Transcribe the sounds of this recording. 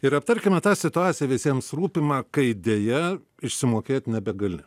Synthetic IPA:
ɪɾɐpt̪ɐɾʲkʲɪmʲɛt̪ɑːsʲɪt̪ʊɑːt̪sʲɪjɛʋʲɪsʲiɛmsruːpʲɪmɑːkɐɪd̪ʲeːjɛ | ɪʃʲsʲɪmoːkʲeːt̪ʲnʲɛbʲɛɡɐlʲɪ

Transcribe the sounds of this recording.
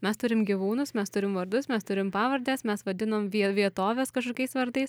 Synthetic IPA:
mʲɛst̪ʊɾʲɪmɡʲiʋuːnʊsmʲɛst̪ʊɾʲɪmʋɐɾd̪ʊsmʲɛst̪ʊɾʲɪmpɑːʋɐɾʲd̪ʲeːsmʲɛsʋɐd̪ʲɪnoːmʋʲiɛʋʲiɛt̪oːʋʲeːskɐʃkoːkʲɛɪsʋɐɾd̪ɐɪs

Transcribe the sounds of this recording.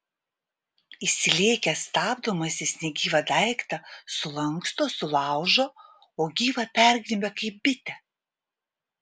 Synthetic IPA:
ɪsʲɪlʲeːkʲɛst̪ɑːbd̪oːmɐsʲɪsʲnʲɛɡʲiːʋɐd̪ɐˑɪkt̪ɐsʊlˠɐŋkst̪oːsʊlˠɑˑʊʒoː | oːɡʲiːʋɐpʲɛˑɾʲɡʲɾʲɪbʲɛkɐɪp̚bʲɪt̪ʲɛ

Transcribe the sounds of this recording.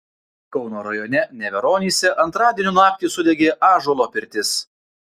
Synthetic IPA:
kɒʊnoːɾɐjonʲɛnʲɛʋʲɛɾoːnʲiːsʲɛʔɐnt̪ɾɑːd̪ʲiɛnʲuːnɑːk̚t̪ʲiːsʊd̪ʲɛɡʲeːʔɑːʒolˠoːpʲɪɾʲt̪ʲɪs

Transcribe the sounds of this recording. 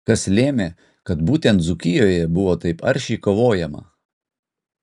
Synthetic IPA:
kɐslʲeːmʲeː | kɐt̪buːt̪ʲɛnt̪zʊkʲɪjoːjɛbʊʋoːt̪ɐɪpɐ̰ɾʲʃʲɛɪkoːʋoːjɛmɐ̰

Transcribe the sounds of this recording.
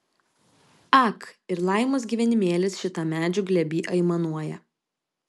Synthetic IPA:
ɑkɪɾlˠɑˑɪmoːsɡʲiːʋʲɛnʲɪmʲeːlʲɪsʃʲɪt̪ɑmʲæːd͡ʒʲʊɡlʲɛbʲiːʔɐɪmɐnuɔjɛ

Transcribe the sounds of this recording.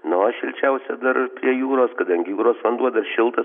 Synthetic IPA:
nʊʃʲɪlʲt͡ʃʲɛʊsʲɛd̪ɐɾpʲɾʲiɛjuːɾoːskɐd̪ɐŋʲɡʲɪjuːɾoːsʋɐnd̪uɔd̪ɐrʃʲɪlˠt̪ɐ

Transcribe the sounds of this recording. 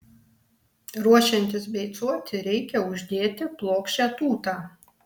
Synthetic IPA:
ɾuɔʃʲɛnʲt̪ʲɪsbʲɛɪt̪suɔt̪ʲɪɾʲɛɪkʲɛʊʒʲd̪ʲeːt̪ʲɪplˠoːkʃʲt͡ʃʲæːt̪uːt̪aː

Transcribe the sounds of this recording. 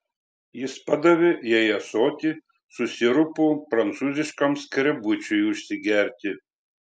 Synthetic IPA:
jɪspɐd̪ɐʋʲɪjɛjɛsoːt̪ʲi | sʊsʲɪɾʊpʊpɾɐnt̪suːzʲɪʃkɐmskʲɾʲɛbʊt͡ʃʲʊjʊʃʲsʲɪɡʲɛɾʲt̪ʲɪ

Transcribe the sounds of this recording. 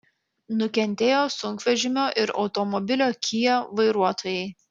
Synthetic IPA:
nʊkʲɛnʲt̪ʲeːjoːsʊŋkʋʲɛʒʲɪmʲoːʔɪɾɒ̰ʊt̪ɔmɔbʲɪlʲoːkʲʰijoʋɐɪɾuɔt̪oːjɛɪ

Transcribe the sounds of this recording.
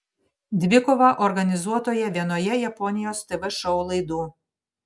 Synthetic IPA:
d̪ʲʋʲɪkɔʋɐʔɔɾɡɐnʲɪzuɔt̪oːjɛʋʲiɛnoːjɛjɛpɔnʲɪjoːst̪ɛʋɛʃɔʊlˠɐɪd̪uː

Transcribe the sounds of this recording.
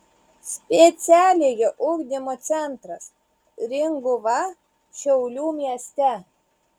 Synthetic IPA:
sʲpʲɛt̪sʲæːlʲeːjɛʔʊɡd̪ʲɪmot̪sʲɛnt̪ɾɐs | ɾʲɪŋɡʊʋɑ | ʃʲɛʊlʲuːmʲiɛsʲt̪ʲɛ

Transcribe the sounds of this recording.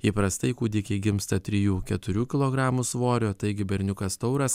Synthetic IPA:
iːpɾɐst̪ɐɪkuːd̪ʲɪkʲɛɪɡʲɪmst̪ɐt̪ʲɾʲɪjuːkʲɛt̪ʊɾʲuːkʲɪlˠoːɡɾɑːmusʋoːɾʲoːt̪ɐɪɡʲɪbʲɛɾʲnʲʊkɐst̪ɒʊɾɐs

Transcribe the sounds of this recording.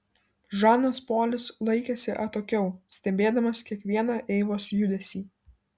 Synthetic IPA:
ʒɑːnɐspoːlʲɪslˠɐɪkʲesʲɪʔɐt̪oːkʲɛʊsʲt̪ʲɛbʲeːd̪ɐmɐskʲiɛkʋʲiɛnɐʔɛɪʋoːsjʊd̪ʲɛsʲiː

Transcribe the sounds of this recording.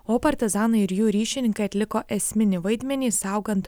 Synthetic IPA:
oːpɐɾʲt̪ʲɪzɑːnɐɪɪɾjuːɾʲiːʃʲɪnʲɪŋkɐɪɐt̪ʲlʲɪkoːʔɛsʲmʲɪnʲɪʋɐɪd̪ʲmʲɛnʲiːsɑˑʊɡɐnt̪

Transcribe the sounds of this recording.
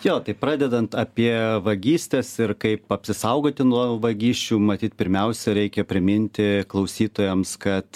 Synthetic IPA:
joːt̪ɐɪpɾɑːd̪ʲɛd̪ɐnt̪ɐːpʲiɛʋɐɡʲiːsʲt̪ʲɛsɪrkɐɪpɐpʲsʲɪsɐʊɡoːt̪ʲɪnuɔʋɐɡʲiːʃʲt͡ʃʲuːmɐt̪ʲiːt̪̚pʲɪɾʲmʲɛʊsʲɛɾʲɛɪkʲɛpʲɾʲɪmʲɪnʲt̪ʲɪklˠɐʊsʲiːt̪oːjɛmskɐt̪

